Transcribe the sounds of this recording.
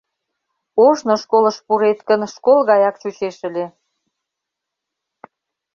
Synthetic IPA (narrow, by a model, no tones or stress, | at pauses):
oʃnoʃkolə̆ʃpuɾet̪kənʃkolɣɑjɑkt͡ɕut͡ɕeʃə̆lʲe